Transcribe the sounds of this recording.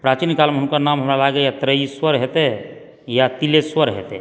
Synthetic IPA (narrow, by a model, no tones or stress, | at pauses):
pɾat͡ʃinkalmeɦunkəɾnamɦəmɾalaɡejat̪ɾəiswəɾɦet̪ɛ | jat̪ileswəɾɦḛt̪ɛ̰